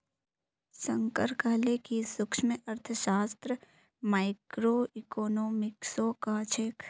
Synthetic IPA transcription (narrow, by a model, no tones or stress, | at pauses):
səŋkəɾkaːlekisʊkʃmeʔɐɾt̪ʰəʃaːst̪ɾə | maːɪkɾoːikoːnoːmɪksokat͡ʃʰek